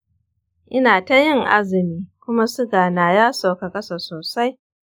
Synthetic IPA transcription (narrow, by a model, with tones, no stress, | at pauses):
ʔɪ˦naː˨ta˦jɪ˦ŋʔa˦zɪ˨miː˦kʷʊ˦ma˦sʊ˦ɡaː˨naː˨jaː˦sa˨wka˨kʼɐ˦sa˨soː˨sa˦j